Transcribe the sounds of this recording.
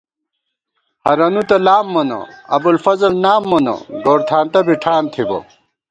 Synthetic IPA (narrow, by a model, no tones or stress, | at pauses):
hɐɾɐnut̪ɐlaːmːɐnɐ̰ɐbulfɐzɐlnaːmːɐnɐ̰ɡoːɾt̪ʰaːnt̪ɐbiʈʰaːnt̪ʰibo̰